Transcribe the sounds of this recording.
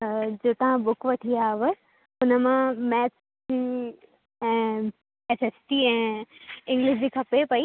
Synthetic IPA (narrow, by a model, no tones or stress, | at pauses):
d͡ʑoːt̪ɐʋ̤ãɓʊkʋɐʈʰiaːʋə | ʊnəmãmɛːt͡ɕ | d͡ʑi | ɛ̃ː | eseːsʈiɛ̃ːɪ̃ŋɡlɪʃd͡ʑiːkʰɐpepɐi